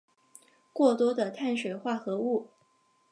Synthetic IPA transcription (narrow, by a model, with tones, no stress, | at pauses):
kwɔ˥˩t̪wɔ˥d̪ə˨t̪ʰa˥˩nʂwe˨˩ɪxwa˥˩xɤ˧˥u˥˩